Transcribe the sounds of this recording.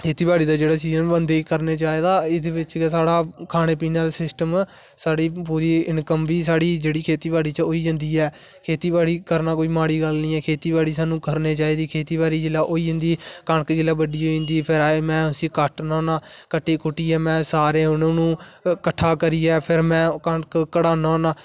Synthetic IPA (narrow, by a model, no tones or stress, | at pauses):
kʰeːt̪iːbaːɽiːd̪aːd͡ʒeːɽaːsiːzəmbənd̪eːkəɾneːt͡ʃaːeːd̪aːɪd̪ebɪt͡ʃsaːɽaːkʰaːɽ̃eːpiːnaːlsɪsʈəm | saːɽiːpuːɾiːɪnkəmʋiːsaːɽiːd͡ʒeːɽiːkʰeːt̪iːbaːɽiːt͡ʃoːiːɦɪ̃nd̪iːɛː | kʰeːt̪iːbaːɽiːkəɾnaːkoːiːmaːɽiːɡəlnĩːɛːkʰeːt̪iːbaːɽiːsaːnũːkəɾneːt͡ʃaːiːd̪iːkʰeːt̪iːbaːɾiːd͡ʒɪlːaːʔoːiːɦɪ̃nd̪iːkəɳkd͡ʒɪlːaːbəɖiːoːɪ̃nd̪iːpʰɪɾmɛ̃ːʊsĩːkəʈnãːnaːkəʈʰːeːkʊʈːiːɛːmɛ̃ːsaːɾẽːʊnõːnũːkəʈʰːaːkəɾiːɛːpʰɪɾmɛ̃ːkəɳkkəɽaːnaːnaː